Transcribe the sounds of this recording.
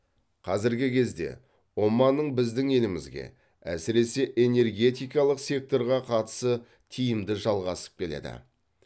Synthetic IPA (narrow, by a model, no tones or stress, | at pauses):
qʰɑzɪɾɡʲɪkʲʰe̞zd̪e̞̰ | wo̞mːɑnːəɴbɪzd̪ɪŋe̞lɪmɪzɡʲe̞̰ | æ̰sɪɾe̞se̞ʔe̞ne̞rɡʲe̞t̪ijkɑlˠəqsʲe̞k̚t̪o̞ɾʁɑqʰɑt̪ə̥sə | t̪ʰijɪmd̪ɪʒɑlˠʁɑsə̥p̚kʲʰe̞lḛd̪ɪ̰